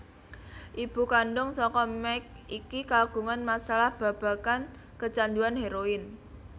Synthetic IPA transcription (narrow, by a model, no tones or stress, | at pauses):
ʔib̥ṳkaɳɖʊŋsɔkɔmɛk̚ | ikikaɡ̥ṳŋanmasalahb̥a̤b̥a̤kan | kət͡ʃanduanɦeɾoɪn